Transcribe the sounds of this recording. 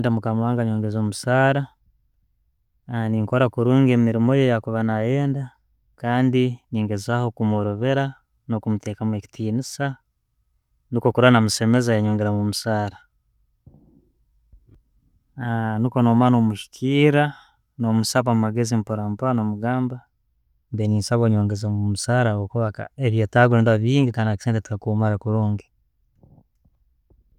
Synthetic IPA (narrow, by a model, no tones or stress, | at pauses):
ndamukamwaːŋɡaɲoːŋɡezomusaːɾa | niŋko̞ɾakuɾuːŋɡe̞ːmiɾimo̞jejakuβanaje̞ːnda | kaːndiniːŋɡe̞zaho̞kumoɾoβe̞ɾa | no̞kumute̞ːkamwe̞ci̥tiːnisa | niko̞kuɾanamuse̞me̞zajaɲo̞ːŋɡeɾamumusaːɾa | aniko̞nomanomuʃi̥kʰiːɾa | nomusaβamaɡezimpoɾampoɾanomuɡaːmba | mbeniːnsaβwaɲoːŋɡezamumusaːɾaβokuβaka̰eβjetaɡendaβiːŋɡikaːnaki̥seːnteti̥kakumaɾakuɾoːŋɡi